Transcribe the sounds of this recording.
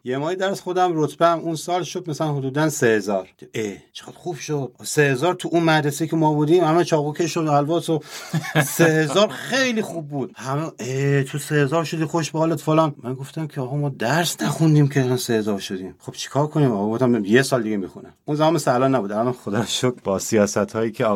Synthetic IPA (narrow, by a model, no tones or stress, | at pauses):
jemɒːjed̪æɾsxod̪æmɾot̪ʰb̥eæmunsɒːlʃod̪̚mæsælænɦod̪uːd̪ænsehezɒɾd̪iet͡ʃʰe̥ɡæd̪̥xub̥ʃod̪̥̚sehezɒːɾt̪ʰuʔunmæɾeseikʰʲemɒːbud̪imhæmæt͡ʃʰɒːɣukʲʰeʃoælvɒːso | sehe̞zɒːɾxe̞jlixubːud̪̥hæmeʔet̪ʰusehezɒːɾʃod̪ixoeʃbeɒːlet̪folɒnmænɡo̞ft̪æmkʰeɒːɣɒmɒːd̪æɾsnæxund̪iːmkʰelnsehezɒɾʃod̪iːmχo̞b̥t͡ʃʰi̥kʰɒːɾkʰoniːmɒːɣɡoft̪æmjesɒːld̪iɡemixunæmunzæmɒnmeslæælɒːnːæbuːd̪ælɒnxod̪ɒʃod̪̚bɒsijɒːsæt̪hɒːjiːcʰʲe